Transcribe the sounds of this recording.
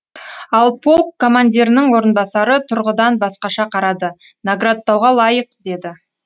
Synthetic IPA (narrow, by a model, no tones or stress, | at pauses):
ɑlˠpʰolˠkʰːo̞manʲd̪ʲiɾɪnɪɴwo̞ɾənbɑsɑɾət̪ʰʊɾʁəd̪ɑnbɑsqɑʃɑqʰɑɾɑd̪ə | naɡrat̪ːɑwʁɑlˠɑjəq̚d̪e̞d̪ɪ